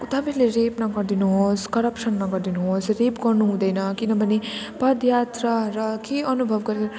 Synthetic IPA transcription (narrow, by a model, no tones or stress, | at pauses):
ut̪ʌbileɾepnʌɡʌɾd̪inuɦoskʌɾʌpʂʌnːʌɡʌɾd̪inuɦosɾepɡʌɾnuɦũd̪ʌjnʌkinʌbʌne | pʌd̪jat̪ɾʌɾʌkeʌnubʱʌʋɡʌɾ